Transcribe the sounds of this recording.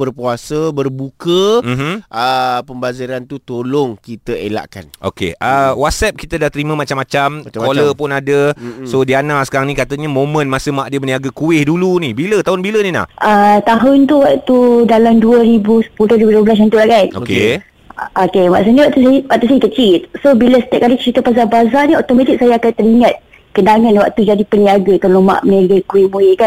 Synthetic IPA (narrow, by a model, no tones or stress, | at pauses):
bərpuasəbərbukəm̩m̩ʔəpəmbaziɾant̪ut̪olʊŋkit̪əela̰ʔka̰nʔo̰kḛʔəwat̪̚sɛp̚kit̪ədaht̪əɾimə̃mat͡ʃamːat͡ʃamkoləpʊnadəsodianaʔsə̥kaɾaŋnĩkat̪əɲamomə̃nmasəmaʔdiəməniaɡakuɪhdulunibilət̪aɦʊnbilənĩna̰hʔət̪aɦʊnt̪uwaʔt̪udalamduəɾibusə̥pulʊhɾibuduəbəlas̬jãnt̪ulaʔkano̰ke | ʔokema̰ʔs̬əniwaʔt̪uswaʔt̪us̬aikət͡ʃilsobiləsə̥t̪ɛʔ̚kalikə̥t͡ʃit̪əpazabazaniɔt̪omãt̪ik̚sajaakant̪əɾiŋãt̪̚ | kənaŋãnwa̰ʔt̪ud͡ʒadipəniaɡak̪əlomã̰ʔməniaɡəkuwɪhmuɪʔkan